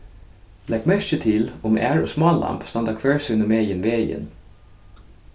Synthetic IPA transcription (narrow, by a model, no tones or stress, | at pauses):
lɛɡmœçət̪ʰɪlʊmʔæːɹoːsmɑːllʔɑ̰mpst̪ɑnd̪ɑkʰʋøːɹsʉːnɔmeːənʋeːjə̰n